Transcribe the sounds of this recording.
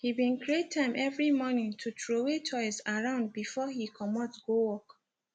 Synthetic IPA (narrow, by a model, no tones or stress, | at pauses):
hibĩnkɹiettʰːãɪ̃mʔɛvɹimɔnĩŋtʰutɹowet͡ʃʰɔɪsaɹãʊ̃nd̚bifɔhikʰɔmɔtɡowɔk